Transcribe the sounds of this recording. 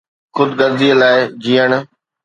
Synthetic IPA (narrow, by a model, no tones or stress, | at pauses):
xʊd̪ɡɐɾziəlaːɪd͡ʑiːəɽ̃